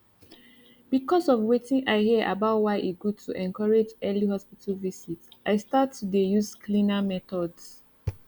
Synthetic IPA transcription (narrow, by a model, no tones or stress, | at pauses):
b̥ikɔsɔvwetĩŋʔaɪhiəʔa̰baʊtwaɪʔiɡud̚tʰuʔɛ̃nkɔɹed͡ʒɛlihɔspitʰalvisitaɪstatʰːudejuzkʰlĩnamɛtɔds